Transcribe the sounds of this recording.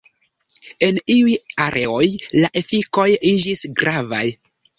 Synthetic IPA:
e̞niujaɾʔe̞o̞jlaʔe̞fiko̞jid͡ʒisɡɾava̰j

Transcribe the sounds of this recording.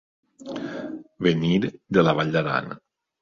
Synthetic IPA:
βeniɾd̪elaβaʎd̪aɾa̰n

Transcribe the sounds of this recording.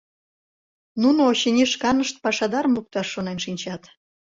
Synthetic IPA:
nunooɕenʲiʃkɑnəʃt̪̚pɑʃɑd̪ɑɾəmuk̚t̪ɑʃːonenʃinʲt͡ɕɑt̪

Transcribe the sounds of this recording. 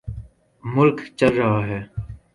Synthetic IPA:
mʊlkt͡ʃɐlɾɐɦaɦɛː

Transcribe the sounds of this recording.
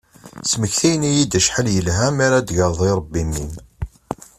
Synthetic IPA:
sməçθijnijid̪əʃħəljəlɦæmaɾad̪ʝəɾðˤiɾˤəbːimːin

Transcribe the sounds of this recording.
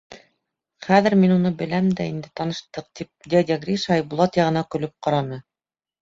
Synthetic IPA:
χæðɘ̆ɾminunɤbɘ̆læmd̪æind̪ɘt̪ɑnɤ̆ʃt̪ɤq̚t̪ip̚d̪ʲed̪ʲæɡrʲiʃɑjbulˠɑt̪jɑʁɤ̆nɑkɵ̆lɵp̚qɑɾɑnɤ

